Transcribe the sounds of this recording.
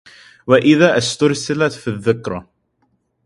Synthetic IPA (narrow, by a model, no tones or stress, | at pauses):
waʔɪðaːʔast̪ʊɾˤsɪlat̪fiðːɪkɾˤɑ